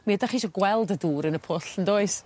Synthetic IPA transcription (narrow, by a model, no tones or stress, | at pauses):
miədaχiːʃɔɡwɛlˠdəduːɾənəpʰʊɬəndoːɨs